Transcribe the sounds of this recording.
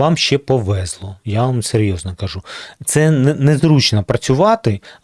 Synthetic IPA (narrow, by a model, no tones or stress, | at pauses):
ɑmʃʲt͡ʃɛpɔʋɛzlˠɔjaʋamseɾʲjɔznɔkɐʒut̪sɛnnɛzɾut͡ʃnɐpɾɐt͡sʲʊʋɑt̪ɪ